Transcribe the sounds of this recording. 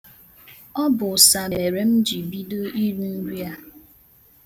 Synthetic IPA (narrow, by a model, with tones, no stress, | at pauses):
ɔ˦bʊ˨sa˨e˨ɾe˦m̩˦d͡ʒi˨bi˦do˦i˦ɾu˦n̩˦ɾi˦a˦